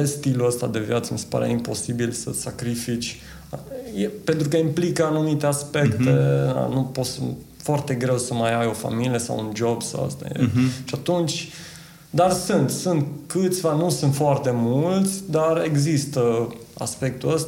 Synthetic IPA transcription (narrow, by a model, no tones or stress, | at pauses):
est̪iluəst̪a̰d̪e̞vjat̪səmise̥pa̰ɾe̞̰impo̞sibilsəsakɾifit͡ʃʲ | jepent̪ɾukəimplikəanumit̪e̞aspe̞kt̪ea̰nuposə | foart̪e̞ɡɾe̞wsəmajajo̞fa̰milije̞sa̰wund͡ʒo̞bsa̰wə̰st̪a̰jḛʃiat̪unt͡ʃʲ | d̪arsɨnt̪sunt̪kɨt̪sʲvanusunt̪foart̪e̞mult̪sʲd̪are̞ɡzist̪əa̰spe̞k̚t̪uəst̪